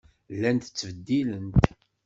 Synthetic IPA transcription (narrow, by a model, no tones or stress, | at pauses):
lːænt̪ət͡sːvəd̪ːilənt̪